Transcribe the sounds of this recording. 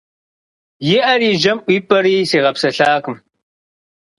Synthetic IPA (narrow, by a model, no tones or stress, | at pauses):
jɪʔɐɾiːʒɐmʔʷiːpʰʼɐɾiːseːʁɐpsɐɬaːkɨm